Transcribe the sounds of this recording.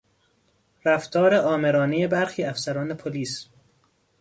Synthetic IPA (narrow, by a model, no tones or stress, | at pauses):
ɾæft̪ʰɒːɾe̞ʔɒːme̞ɾɒːnejebæɾxiːæfsæɾɒːne̞pʰoliːs